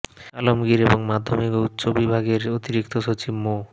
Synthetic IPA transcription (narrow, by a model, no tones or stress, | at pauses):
alomɡiɾeboŋmad̪ʱːomikout̪ːɕobibʱaɡeɾot̪iɾikt̪oʃot͡ɕibmo